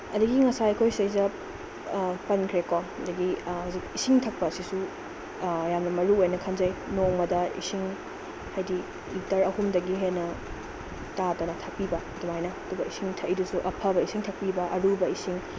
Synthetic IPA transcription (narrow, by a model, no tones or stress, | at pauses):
ɐdɐɡiŋɐsaɐkʰojsɐjsɐ | pɐnkʰɾekoɐdɐɡihawzikisiŋtʰɐk̚pɐːsisu | jamnɐmɐɾuojnɐkʰɐnzɐjnoŋmɐdɐḭsiŋ | hajdi | itɐɾɐhumdɐɡiɦenːɐ | tadonɐtʰɐk̚pibɐːdumajnɐɐdubɐisiŋtʰɐjdusuʔɐpʰɐbɐisiŋtʰɐk̚pibɐʔɐɾubɐisiŋ